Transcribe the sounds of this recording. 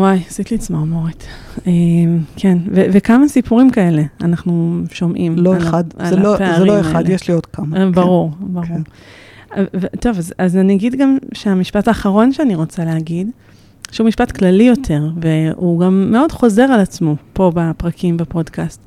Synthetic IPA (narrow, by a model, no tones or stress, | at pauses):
wajsit̪liːt͡smoʁmoʁit | emkʰenvevekamasipuʁimkae̞le̞a̰naχnuʃo̞mʔimloelχadaelopeazʁeiloealjeʃliodkamabaʁuʁbaʁuʁ | vto̞vazazaniaɡidɡamʃeamiʃpataːχaʁo̞nʃeaniʁo̞t͡saleaɡid | ʃeumiʃpatklalijo̞tʰe̞ʁveuɡamːe̞o̞dχo̞ze̞ʁalat͡smopo̞bapʁakʰimbapo̞dkast